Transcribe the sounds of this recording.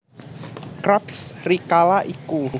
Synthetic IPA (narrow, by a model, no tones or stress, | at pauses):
kɾapsrikalaʔiku